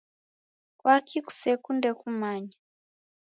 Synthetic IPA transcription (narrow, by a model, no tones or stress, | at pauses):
kwakʰiku̥sekundɛkumaɲa